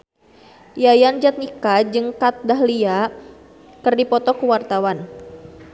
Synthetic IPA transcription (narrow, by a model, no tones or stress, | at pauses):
jajand͡ʒat̪̚nikad͡ʒɨŋkat̪̚daɦlia | kɨrdipɔt̪ɔkuwart̪awan